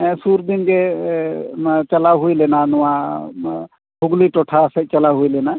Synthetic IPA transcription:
suɾd̪inɡe | t͡ʃəlaɦujlɛnanɔwa | bʰuɡliʈɔʈʰasɛt͡ʃɐlaɦujlɛna

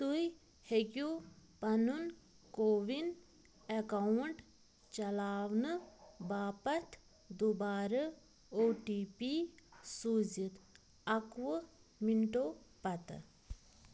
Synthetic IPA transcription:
t̪uj | heɡupɐnun | koːʋin | ekawɳʈ | t͡ʃɐlaːʋnɨbaːpɐt̪ʰ | d̪ubaːɾɐ | oːʈiːpisuzit̪ | ɐkʋɨmiɳʈoːpɐt̪ɨ̰

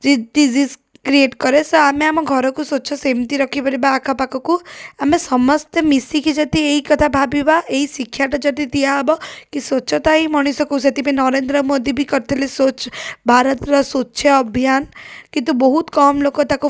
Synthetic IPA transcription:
d͡ʒeɖid͡ʒiz | kɾieʈkɔɾesɔameamɔɡʱɔɾɔkusot͡ʃʰɔsemt̪iɾɔkʰipɔɾibaːkʰapakɔkuamesɔmɔst̪emisikid͡ʒɔt̪ieikɔt̪ʰabʱabibaeisikʰːjaʈɔd͡ʒɔt̪it̪ijaɦbɔkisot͡ʃʰɔt̪aimɔɽ̃isɔkuset̪ipẽnɔɾend̪ɾɔmod̪ibʱikɔɾt̪ʰilisot͡ʃbʱaɾɔt̪ɾɔsoːʃʰeɔbʱijankit̪̬ubɔɦut̪kɔmlokɔt̪aku

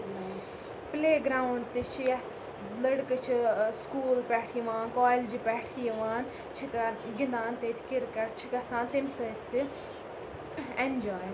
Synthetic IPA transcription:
pleːɡɾaːwɳɖt̪it͡ʃʰijɐ | lɐɽkɨt͡ʃʰiskuːlpɛːʈʰijʋaːnkɔːjld͡ʒipɛːʈʰijʋaːn | t͡ʃʰikɐɡɪnd̪aːnt̪eːt̪ʰi̥kiɾkɐʈ̚t͡ʃʰikɐsãːnt̪imsɐt̪ːi | end͡ʒoːj

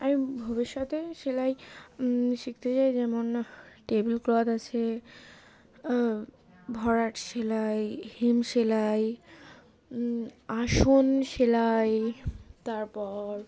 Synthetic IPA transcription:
amibʱɔbiʃːat̪eʃelaj | ʃik̚t̪et͡ɕaed͡ʑɛmonʈebelklɔd̪at͡ɕʰe | bʱɔɾaʈʃelajhemʃelaj | aʃonʃelajt̪aɾpɔɾ

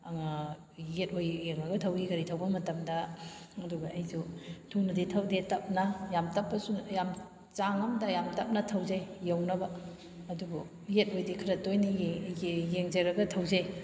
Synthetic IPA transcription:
ɐŋa | jet̚ojːeŋɾɐɡɐtʰɐwiɡɐɾitʰɐwbɐmɐtɐmdɐɐduɡɐɐjsutʰunɐditʰɐwdetɐp̚nɐjamtɐpːɐsujam | t͡ʃaŋɐmdɐjamtɐp̚nɐtʰɐwzejjɐwnɐbɐ | ɐdubu | jet̚ojdikʰɐɾɐtojni | jeŋzɐɾɐɡɐtʰɐwzej

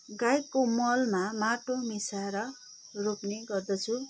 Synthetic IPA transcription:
ɡajkːomʌlmamaʈomisaɾʌ | ropneɡʌrd̪ʌt͡sʰu

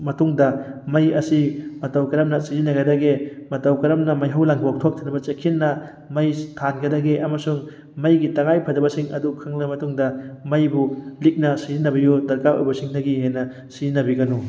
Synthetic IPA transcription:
mɐtuŋdɐmɐjɐsimɐtawkɐɾɐmnɐsizinɐɡɐdɐɡemɐtawkɐɾɐmnɐmɐjɦawlaŋɡok̚tʰok̚tʰanɐbɐt͡ʃekʰinːɐ | mɐjtʰanɡɐdɐɡeʔɐmɐsuŋ | mɐjɡitɐŋajpʰɐdɐbɐsiŋɐ̰dukʰaŋnɐmɐtuŋdɐmɐjbulik̚nɐsizinɐbɐjudɐɾkajo̰jbɐsiŋnɐɡiɦenɐ | sizinːɐbiɡɐnu

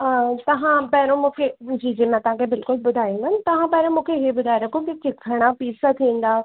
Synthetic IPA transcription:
t̪ɐʋãpɐɦɪɾõmũːkʰed͡ʑiːd͡ʑimãt̪ɐʋ̤ãkʰebɪlkʊlbʊd̪ʱaːjũnd̪ɐnɪt̪ɐʋ̤ãpɐɦɾõmũːkʰeɦebʊd̪ʱaːiɾɐkʰõkɪt͡ɕɪkʰːəɽ̃apiːsat̪ʰiĩn̆d̪aː

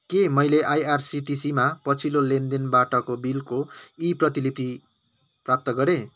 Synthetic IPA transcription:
kemʌjleʔajarsiʈisimapʌt͡sʰilolend̪enbaʈʌkobilkoiprʌt̪ilipi | prap̚t̪ʌɡʌɾe

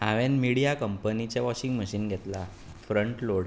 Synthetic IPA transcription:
aʋenmiɽijakəmpənit͡ɕeʋɔɕiŋɡməɕinɡʱet̪la | fɾəɳʈloɽ

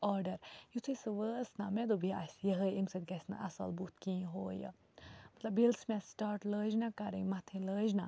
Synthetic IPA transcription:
ɔːɾɖɐɾjut̪ʰɨsɨʋəːsnamɛ̃d̪obʱia̰sʲjəɦəimsɐd̪ʲɡɐsʲna̰ʔɐ̰sɐ̰lbut̪ʰkĩːɦoːjə̰ | mɐt̪lɐbilsmɛ̃sʈaːɾʈləːd͡ʒnakaɾə̰̃mɐt̪ʰẽləːd͡ʒna

